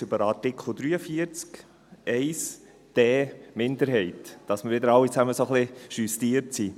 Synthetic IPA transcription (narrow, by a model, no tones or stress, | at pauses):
ʏbəɾɑtɪkχl̩ˠd̪ɾyːəfiəɾt͡sk | ɛɪs | d̥ɛːmɪnd̪əɾɦɛɪtd̥ɑsməɾʋɪd̪əɾɑlːit͡sæməsoχlɪʃystiəɾtsi